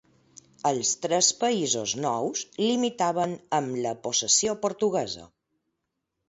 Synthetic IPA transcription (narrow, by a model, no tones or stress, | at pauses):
əlˠst̪ɾɛspəizoznɔwzlimit̪aβənəmləposəsiopoɾt̪uɣɛzə̰